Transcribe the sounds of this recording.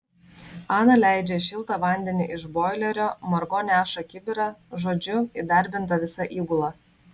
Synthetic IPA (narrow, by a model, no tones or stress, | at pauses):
ɑːnɐlʲæˑɪd͡ʒʲɛʃʲɪlˠt̪ɐʋɐnʲd̪ʲɛnʲɪʔɪʃboːɪlʲɛɾʲoːmɐɾɡoːnʲæːʃɐkʲɪbʲɪɾɑʒoːd͡ʒʲʊid̪ɐɾʲbʲɪnt̪ɐʋʲɪsɐʔiːɡʊlˠɑ